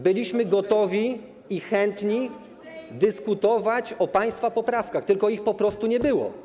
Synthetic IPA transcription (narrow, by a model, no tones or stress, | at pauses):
bɘlʲiɕmɘɡɔt̪ɔvʲi | ixɛnt̪ɲi | d̪ɘskut̪ɔvat͡ɕɔpaj̃st̪fapɔpɾafkaxt̪ɘlkɔixpɔpɾɔst̪uɲɛbɘwɔ̰